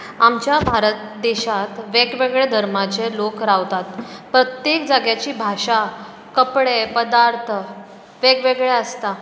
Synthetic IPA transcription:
amt͡ɕjabʱaɾət̪ | d̪eɕat̪ʋeɡʋeɡɭed̪ʱəɾmat͡selokɾaʋt̪at̪pɾət̪jekd͡zaɡjat͡ɕiːbʱaɕa | kəpɽepəd̪aɾt̪ʰə | ʋeɡʋeɡɭeəst̪a

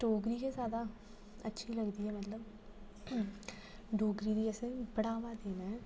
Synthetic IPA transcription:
ɖoːɡɾiːkezjaːd̪a | ətːʃʰiləɡd̪iːɦɛːmət̪ləb | ɖoːɡɾiːd̪iːɛsẽbəɽaːʋad̪eːnɛ̃ː

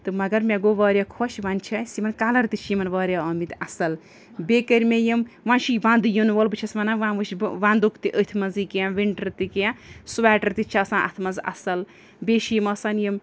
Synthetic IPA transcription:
t̪ɨmɐɡɐɾmʲẽɡoʋɐːɾʲjakʰoʃʋanʲt͡ʃʰɐsimɐnkaːlɐɾt̪it͡ʃʰimɐnʋɐːɾʲjaɐmit̪ɐsɐl | bekəɾʲmʲejimʋãːnʃʰiʋãːnd̪ujɐnʋɐlbɨt͡ʃʰɐsmɐnaʋãːʋɨʃʋãːnd̪ukt̪iʔət̪ʰmɐnzikijãʋiɳʈɐɾt̪ikijãsuʋaːʈɐɾt̪it͡ʃʰaɐsãːʔɐ̰t̪ʰmɐnzʔɐ̰sɐl | beːʃijimɐsɐnjim

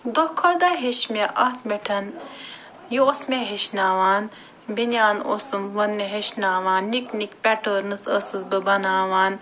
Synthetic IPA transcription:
d̪okʰːoːd̪aːɦeʃmeʔɐt̪ʰmeʈʰɐn | jiosmeɦeʃnaːʋaːn | binʲaːno̰sɨmʋɐnːeɦeʃnaːʋaːnːiknikpʲɛʈəːɾnɨsəsɨsbɨbɐnaːʋaːn

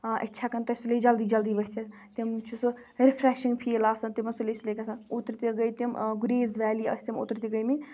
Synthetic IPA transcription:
ʔɐ̰tʲːt͡ʃʰakɐnt̪ɐsuled͡ʒɐld̪iːd͡ʒɐld̪iːbɐɦʲt̪ʰit̪imt͡ʃʰusɨ | ɾipʰɾɛːʃiŋɡpʰiːlaːsɐnt̪imɐnsulesulekʲɐsɐnut̪ɾit̪ʲiɡəjt̪imɡuɾeːzʋɛːliɐ̰sʲt̪ʲimo̰t̪ɾit̪ʲiɡəjminʲ

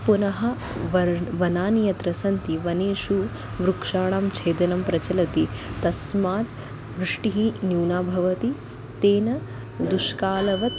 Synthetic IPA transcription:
punɐɦɐ | ʋɐʋɐnaːnijɐt̪ɾɐsɐnt̪iʋɐneːʂu | ʋɾukʂaːɳaːmt͡ʃʰeːd̪ɐnɐmpɾɐt͡ʃɐlɐt̪it̪ɐsmaːt̪ | bɾiʂʈiɦinjuːnaːbʱɐʋɐt̪i | t̪eːnɐ | d̪uʂkaːlɐʋɐt̪

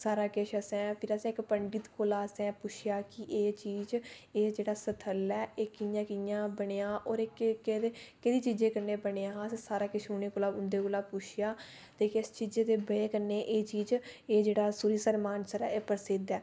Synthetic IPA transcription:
saːɾaːkɪʃəsɛ̃ːpʰɪɾəsɛ̃ːɪkpəɳɖɪt̪koːlaːsɛ̃ːpʊʃʰɪjaːkɪʔeːt͡ʃiːzeːd͡ʒeːɽaːsət̪ʰəlɛːeːkɪjãːkɪjãːbəɽeːãːʔɔːɾɪkk̪ːekɪd̪iːt͡ʃiːd͡ʒeːkəɾneːbəɽeːãːssaːɾaːkɪʃʊneːkoːlaːʊnd̪eːkoːlaːpʊʃʰɪjaː | t̪eːkɪst͡ʃiːd͡ʒeːt̪eːbəɽeːkəɾneːʔeːt͡ʃiːd͡ʒeːd͡ʒeːɽaːsuɾiːsəɾmaːnsəɾɛːeːpəɾsɪd̪ɛː

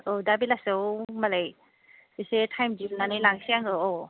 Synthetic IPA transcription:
odabilasɯwmalaj | bisetʰajmdinanɯjlaŋsiaŋɡɯo

